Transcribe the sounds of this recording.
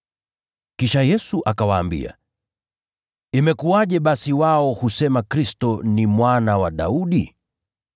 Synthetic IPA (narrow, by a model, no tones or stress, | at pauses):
kiʃajɛsuʔakawaːmbḭa̰ | imɛkuaʄɛɓasiwaɔhusɛmakɾistɔnimwanawaɗa̰uɗi